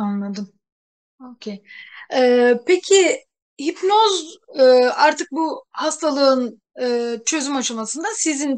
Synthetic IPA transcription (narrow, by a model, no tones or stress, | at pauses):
anlˠad̪ɯm | ocʰejɛːpecʰi | hipnozɯaɾt̪ʰɯk̚buhast̪ʰalˠɯɯn | ɯːt͡ʃʰø̞zymat͡ʃʰɯlˠmasɯnd̪asizin